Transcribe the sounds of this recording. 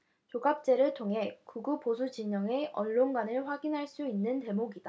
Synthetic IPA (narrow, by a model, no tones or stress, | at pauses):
t͡ɕoɡap̚t͡ɕ͈e̞ɾɯɭtʰoŋɦe̞kuɡuposʰud͡ʑiɲʌŋe̞ʔʌɭːonɡwanɯɭɸwaɡinɦaɭs͈uinːɯnte̞moɡida